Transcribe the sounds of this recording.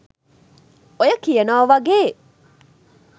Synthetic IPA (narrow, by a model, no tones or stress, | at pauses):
ojɐkijɐnaːʋɐɡeː